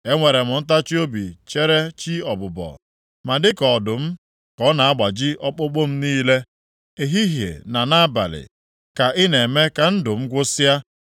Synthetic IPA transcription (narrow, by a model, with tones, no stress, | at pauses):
e˦ŋʷe˨ɾe˨mʊ˨n̩˦t̬a˦t͡ʃi˦o˦bi˨t͡ʃe˦ɾe˦t͡ʃi˦ɔ˨bʊ˨bɔ̰˨ | ma˨dɪ˦kɔ˨dʊ˨m̩˦ | kɔ˨˦na˨a˦ɡ͡ba˨d͡ʒɪ˦ʔɔ˦k͡pʊ˦k͡pʊ˦m̩˦niː˦le˦ | e˨ɦi˦ɦjḛ˨na˨na˦ba̰˨lɪ̰˨ | ka˨ʔɪ˦ne˨me˦ka˨n̩˦dʊ˨m̩˦ɡʷʊ˦sa˦